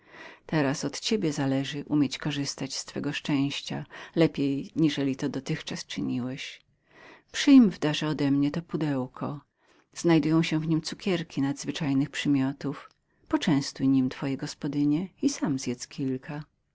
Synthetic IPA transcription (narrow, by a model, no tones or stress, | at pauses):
t̪ɛɾasɔt̪t͡ɕebʲjɛzalɛʐɘʔumʲjet͡ɕkɔʐɘst̪at͡ɕst̪fɛɡɔʂt͡ʂɛ̃w̃ɕt͡ɕa̰lɛpʲjejɲiʐɛlʲit̪ɔd̪ɔt̪ɘxt͡ʂast͡ʂɘɲiwɛɕ | pʂɘjmvd̪aʐɛɔd̪ɛmɲɛt̪ɔpud̪ɛwkʰɔ | z̥najd̪ujɔ̃w̃ɕɛvɲimt̪sukʲɛɾkʲinad̪zvɘt͡ʂajnɘxpʂɘmʲjɔt̪uf | pɔt͡ʂɛ̃w̃st̪ujɲimt̪fɔjɛɡɔspɔd̪ɘɲɛisamzjɛt̪skʲʰilkʰa